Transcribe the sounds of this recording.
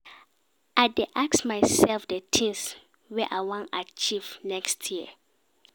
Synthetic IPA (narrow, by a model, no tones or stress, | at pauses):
ʔajdeʔaksmajsɛlfdətʰĩns | wɛʔawɔ̃nat͡ʃivnɛkstʰjiə